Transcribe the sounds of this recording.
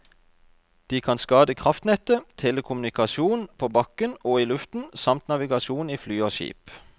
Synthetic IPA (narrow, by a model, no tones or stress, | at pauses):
d̪̥iːkʰɑnskɑːd̪əkʰʁɑft̪nɛt̪ət̪ʰɛləkʰʊmʉnɪkɑʃuːnpʰoːbɑkənoːiːlʉft̪n̩sɑmt̪nɑʋɪɡɑʃuːniːflyːoːʃḭːp